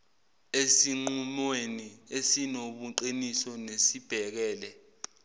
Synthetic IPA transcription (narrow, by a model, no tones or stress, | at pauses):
esiŋ͡ǃumweniesinoɓuǃinisɔnesib̥ʱɛk̬ɛːlɛ